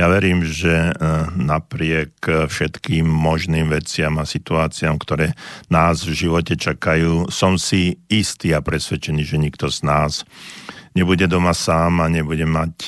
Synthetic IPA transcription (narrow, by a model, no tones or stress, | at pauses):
jaʋɛɾiːmʒɛnapɾɪɛkfʃɛt̪kiːmːɔʒniːmʋɛt͡sɪamasit̪uaːt͡siamkt̪ɔɾɛːnaːzvʒiʋɔcɛt͡ʃakajuːsɔmsiist̪iːapɾɛsʋɛt͡ʃɛniːʒɛɲik̚t̪ɔznaːz | ɲɛbuɟɛd̪ɔmasaːmaɲɛbuɟɛmac